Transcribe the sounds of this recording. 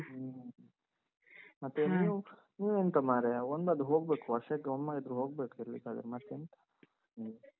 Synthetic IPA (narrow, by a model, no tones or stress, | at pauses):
mɐt̪ːeniːʋu | niːʋeːnt̪ɐmaːɾeond̪ɐd̪uɦoːɡ̚beːkuɐsekːɔmːaid̪ɾuɦoːɡ̚beːkuiɾlḭkaːd̪ɐ̰ɾɛmɐt̪ːent̪ɐ̥ | niːʋu